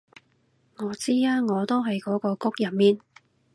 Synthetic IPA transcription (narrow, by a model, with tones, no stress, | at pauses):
ŋɔː˨˧t͡siː˥aː˥ŋɔː˨˧t̪o˥wɦɐ˨jkɔː˨˥kɔː˧kʊ˥k̚jɐ˨˩mmiː˥n